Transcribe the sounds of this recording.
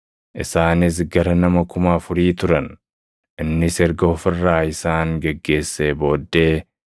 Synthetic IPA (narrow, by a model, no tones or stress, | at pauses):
ʔɪ̰saːnɪs̬ɡɐɾɐnɐmɐkʊmaːfʊɾiːt̪ʊɾɐn | ʔɪnːɪsɛɾɡɐɔfɪrːaːɪsaːŋɡɛɡːe̞ːsːeːbo̞ːd̪ːe̞ː